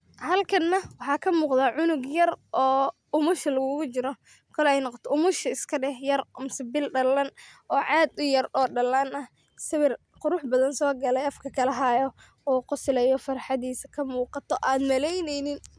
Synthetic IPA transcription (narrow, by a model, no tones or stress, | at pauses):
hɐlkʰɐnːɐwɑħɑːkʰɐmuːqd̪aːʕʊnʊɡjɐrʔɔː | ʊmʊʃɐlɐɣʊɣʊt͡ʃɪɾɔ | kʰɔlɔɛjnɔqɔt̪ʰɔʊmʊʃɐɪskʰɐɖɛhjɐrʔʊmsɪbɪlɖɐlɐnʔɔːʕɑːd̪ʊjɐrɔːɖɐlːaːnɐh | sɪwɪr | qʊɾʊħbɐðɐnsɔːɡɐlɛjɐfkʰɐkʰɐlɐɦajɔ | ɔːqʊsɪlɛjɔfɐɾħɑðiːsɐkʰɐmuːqɑt̪ʰɔʔaːd̪mɐlɛjnɛjnɪn